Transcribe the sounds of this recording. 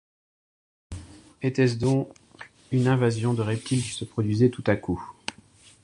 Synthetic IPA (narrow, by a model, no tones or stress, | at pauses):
et̪ɛs̬d̪ɔ̃k | ynɛ̃vazjɔ̃d̪əʁɛp̚t̪ʰilkʲi̥səpχɔd̪ɥizɛt̪ut̪aku